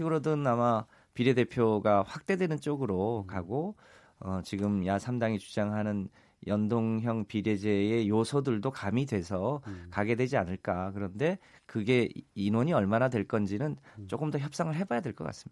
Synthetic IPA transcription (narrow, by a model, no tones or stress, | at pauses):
iɡɯɾodɯnama | piɾjede̞pʰjoɡaɸwak̚t͈e̞dwe̞nɯnt͡ɕ͈oɡɯɾokaɡo | ʌt͡ɕiɡɯmjasʰamdaŋit͡ɕud͡ʑaŋɦanɯn | jʌndoŋɦjʌŋpiɾjed͡ʑe̞ejosʰʌdɯɭdokamidwe̞sʰʌkaɡe̞dwe̞d͡ʑianɯɭk͈akɯɾʌnde̞kɯɡe̞inwoɲiʌɭmanadwe̞ɭk͈ʌnd͡ʑinɯnt͡ɕ͈ok͈ɯmdʌçjʌp̚s͈aŋɯɭɦe̞bajadwe̞ɭk͈ʌk͈a̰s͈ɯmɲida